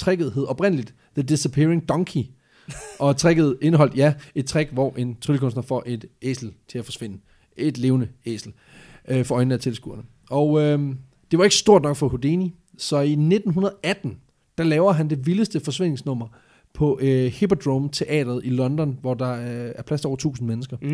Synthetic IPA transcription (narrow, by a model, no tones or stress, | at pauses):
t͡sʰʁeɡ̥ð̞̩ˠɦe̝ð̩ˠɒ̽b̥ʁen̰əlid̥ | ðəd̥esəpʰe̝ɐe̝ŋd̥ɒ̽ŋkʰi | ɒ̽t͡sʰʁeɡ̥əð̞̩ˠe̝nəɦɒ̽l̰d̥jæe̝d̥̚t͡sʰʁeɡ̥ʋɒʔe̝nt͡sʰʁylkɔ̽n̰sd̥nɐfɒ̽ʔe̝d̥ḛːsl̩t͡sʰe̝læfɒ̽sʋen̰ə | e̝d̥le̝ːʊnəḛsl̩ | øfɒɒ̽ɪn̩æt͡sʰe̝lsɡ̥ṵɐnə | ʔɒʊø | d̥e̝ʋɑ̈e̝ɡ̥ə̥sd̥o̝ɐd̥nɒ̽ɡ̥fɒ̽hod̥eni | sɒ̽ine̝d̥n̩ɦunɐðˠʔæd̥n̩ | d̥ɑ̈lɛːʊɐɦænd̥e̝ʋiləsd̥əfɒ̽sʋe̝n̰e̝ŋsnɔ̽m̰ɐ | pʰɒ̽ʔhipʰɒd̥ʁomt͡sʰe̝ʔɛ̰ːd̥ɐð̩ˠilɒ̽nd̥ɒ̽nʋɒd̥ɑ̈æɐpʰlæsd̥ɒʊɐt͡sʰṵːsn̩menəsɡ̥ɐ